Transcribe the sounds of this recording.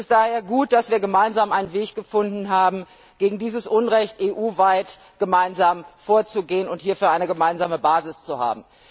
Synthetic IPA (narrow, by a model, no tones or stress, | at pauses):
ɛsd̥aːheːɐɡuːt̚d̥asv̥iːɐɡəmaɪnzaːmʔaɪnənveːçɡ̥əfʊndn̩ɦaːbm̩ | ɡ̥eːɡŋ̩diːzəsʔʊnʁɛçtʔeːʔuːvaɪt | ɡ̥əmaɪnzaːmfoːɐt͡suɡeːənʊnthiːɐfyːɐʔaɪnəɡəmaɪnzaːməbaːzɪst͡suha̰ːb̚m̩